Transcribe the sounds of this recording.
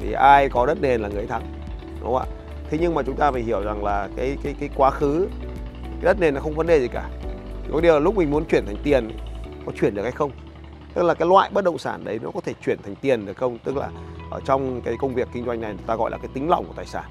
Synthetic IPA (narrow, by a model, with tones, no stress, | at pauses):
t̪ʰḭ˨˩ʔaː˧jkɔ˨˦ɗə˦˥t̚ne˨˩nlaː˨˩ŋɨ˨˩əjt̪ʰa˨˦ŋ | ɗʊ̰˨˦ŋ͡ma̰ː˧˨ | t̪ʰe˨˦ɲɨ˧ŋmaː˨˩t͡ɕʊ˨˦ŋ͡mt̪aː˧faː˧˩hi˧˩əwza˨˩ŋlaː˨˩kaː˨˦jkaː˨˦jkaː˨˦jkwaː˨˦xɨ˨˦ | ka˨˦jɗə˦˥t̚ne˨˩nːɔ˨˦xə˧wŋ͡mvə˨˦nɗe˨˩zi˨˩kaː˧˩i˨˩kɔ˨˦ɗi˨˩əwla˨˩lʊ˦˥k͡p̚mï˨˩ŋ̟mu˨˦ənt͡ɕwi˧˩ənt̪ʰa˨˩ŋ̟t̪i˨˩ən˨kɔ˨˦t͡ɕwi˧˩ənɗɨ˨˩ək̚ha˧jxə˧wŋ͡m | t̪ɨ˦˥laː˨˩kaː˨˦jlwa̰ː˧˨jɓə˦˥t̚ɗə̰˧˨wŋ͡msaː˧˩nɗə˨˦jnɔ˨˦kɔ˨˦t̪ʰe˧˩t͡ɕwi˧˩ənt̪ʰa˨˩jŋ̟t̪i˨˩ənɗɨ˨˩əkxə˧wŋ͡mt̪ɨ˦˥k̚la̰ː˨˩ʔəː˧˩t͡ɕɔ˧wŋ͡mkaː˨˦jkə˧wŋ͡mvi˨˩əkːï˧ŋzwa˧jŋ̟na˨˩jn˨˦t̪aː˧ɣɔ̰˧˨jlaː˨˩kaː˨˦jt̪ï˨˦ŋ̟l̰ŋ͡mku˧˩t̪aː˨˩saː˧˩n